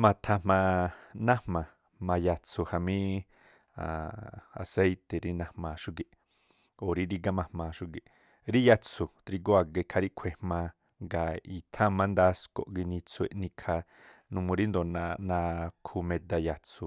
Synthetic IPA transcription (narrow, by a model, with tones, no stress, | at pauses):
mã˧t̪ʰã˧mã˧nã˦hmã˨ | mã˧ja˧t͡sʰu˧ha˧mĩ˦ | a̰˨a̰˨se˦jt̪e˨ɾi˧nã˧mã˧ʃu˦ɡe˧ʔ | o˨ɾi˧ɾi˧ɡa˧mã˧mã˧ʃu˦˧ɡe˧ | ɾi˦ja˧t͡sʰu˨t̪ɾi˧ɡo˦a˧ɡe˧kʰa˧ɾi˦ʔkʷʰe˧˨hmã˧ | ŋɡa˨i˧t̪ʰã˦mã˧nd̪a˧˦sko̰˧ʔɡi˧nĩ˧t͡sʰu˧ḛ˧ʔnĩ˧kʰa˧ | nũ˧mũ˧ɾi˦nd̪o˨nã˧nã˧kʰu˧mẽ˧d̪a˧ja˧t͡sʰu˧˨